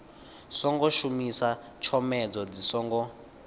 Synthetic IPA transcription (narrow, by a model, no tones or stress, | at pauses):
sɔŋɡɔʃumisa | t͡ʃʰɔmɛd͡zɔd͡zisɔŋɡɔ